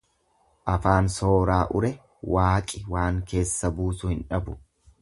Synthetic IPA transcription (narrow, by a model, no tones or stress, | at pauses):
ʔɐfaːnso̞ːɾaːʔʊɾɛ | waːkʼɪwaːŋke̞ːsːɐbuːsʊhɪnᶑɐbʊ̥